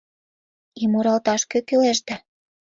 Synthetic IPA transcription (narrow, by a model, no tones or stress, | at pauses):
imoɾɑlt̪ɑʃkøkøleʃd̪æ